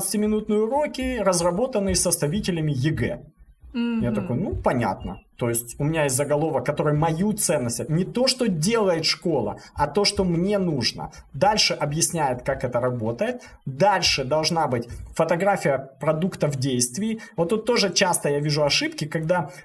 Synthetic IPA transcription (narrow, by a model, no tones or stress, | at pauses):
t̪sə̥tʲɪmʲɪnut̪nɨjʊɾo̞kʲɪrəzrɐbo̞t̪ənːɨjɪsəst̪ɐvʲitʲɪlʲɪmʲɪjɪɡɛ̰ | jat̪ɐkojʊnupɐnʲa̰t̪̚nə̰t̪o̞jɪsʲtʲʊmʲɪnʲajesʲzəɡɐlˠo̞vəkːɐt̪o̞ɾɨjmɐjut̪sɛnːəsʲtʲtʲnʲɪt̪o̞ʂt̪odʲe̞lˠəjɪt̪ʂko̞lˠə̰ɐt̪o̞ʂt̪o̞mnʲe̞nuʐnə̰d̪alʲʂɨʔɐbjɪsʲnʲæjɪt̪kakɛt̪əɾɐbo̞t̪əjɪt̪̚ | d̪alʲʂɨd̪ɐlˠʐnabɨtʲfət̪ɐɡɾafʲɪjəpɾɐd̪ukt̪əvdʲejst̪vʲɪjvot̪ːut̪ːo̞ʐɨt͡ɕast̪əjavʲiʐʊɐʂɨpkʲɪkɐɡd̪a